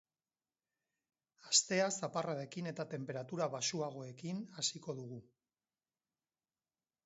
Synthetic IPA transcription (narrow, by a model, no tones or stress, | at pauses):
ast̪e̞asaparaðe̞kine̞t̪at̪e̞mpe̞ɾat̪uɾaβasuaɣ̞o̞e̞kinasiko̞ðuɣ̞u